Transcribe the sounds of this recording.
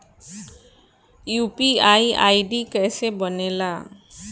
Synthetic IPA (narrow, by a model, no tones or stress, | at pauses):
jupiaja̰jɖikɛsebɔnela